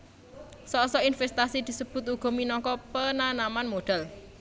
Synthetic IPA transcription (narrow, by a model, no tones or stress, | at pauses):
sɔsɔinfɛst̪asid̪̥i̤səb̥ʊ̤t̪̚uɡ̥ɔ̤minɔŋkɔpənanamanmoɖ̥a̤l